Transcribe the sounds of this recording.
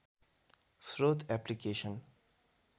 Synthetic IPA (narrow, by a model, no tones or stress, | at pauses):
sɾoːt̪ʰɛplikeːʃən